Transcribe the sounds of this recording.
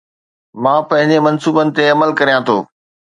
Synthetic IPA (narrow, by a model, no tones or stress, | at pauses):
mãːpɐ̃ɦɪ̃ɲd͡ʑemɐnsuːbənɪ̆t̪eɐməlkɐɾijãt̪ʰoː